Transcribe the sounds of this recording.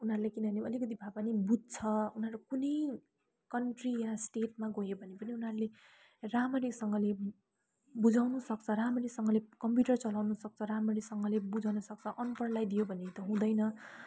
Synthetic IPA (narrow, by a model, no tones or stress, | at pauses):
unɦʌɾulekinʌneʌlikʌt̪̬ibʱabanibud̚t͡sʰʌunɦʌɾakunʌj | kʌnʈrijasʈeʈmaɡojebʱʌnepʌniunɦʌɾule | ramʌɾiksʌŋɡʌle | bud͡zawnusʌk̚t͡sʰʌramʌɾiksʌŋɡʌlekʌmpjuʈʌrt͡sʌlawnusʌk̚t͡sʰʌramʌɾiksʌŋɡʌlebud͡zawnʌsʌk̚t͡sʰʌʔʌnpʌrlajd̪ijobʱʌnet̪ʌɦũd̪ʌjnʌ